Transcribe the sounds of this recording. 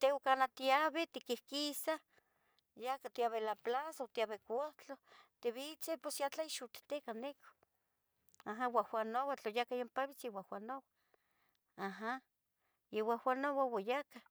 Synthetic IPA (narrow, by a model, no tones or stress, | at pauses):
t̪eokanat̪iaβet̪ikihkisa | jakat̪iaβelaplasaot̪iaβekʷat͡ɬot̪eβit͡seposjat͡ɬaiʃut̪i̥t̪ekaneko̥ | aɦawahwanowat͡ɬojakajompaβit͡siwahwanowa | aɦa | iwawʷanowawajaka